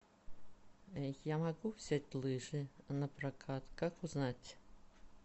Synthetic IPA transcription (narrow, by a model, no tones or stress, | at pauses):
jamaɣuwsʲat͡sʲlˠɨʐɨnɐprakʰat̪kakuznat͡sʲ